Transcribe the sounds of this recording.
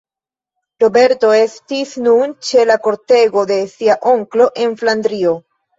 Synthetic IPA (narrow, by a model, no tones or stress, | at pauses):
ɾo̞be̞ɾto̞e̞stisnunt͡ʃe̞lako̞ɾte̞ɡo̞de̞siaʔoŋklo̞ʔe̞nfland̪ɾio̞